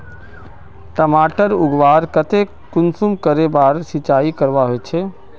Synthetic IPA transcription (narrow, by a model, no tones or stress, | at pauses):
ʈəmaːʈəɾʊɡʋaːɾkət̪e | kʊnsʊmkəɾebaːɾsɪt͡ʃaːikəɾʋaɦoet͡ʃʰeː